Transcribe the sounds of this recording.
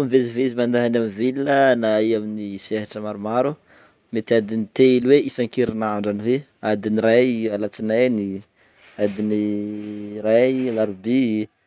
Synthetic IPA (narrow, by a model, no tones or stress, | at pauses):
miveziveizimand̪aɦanamvilnənaiaminiseɦaʈ͡ʂəmaɾumaɾu | met̪iad̪init̪eilweisaŋkiɾinaɳɖ͡ʐanive | ad̪iniɾajalat͡sinajni | ad̪ini | ɾajlaɾubi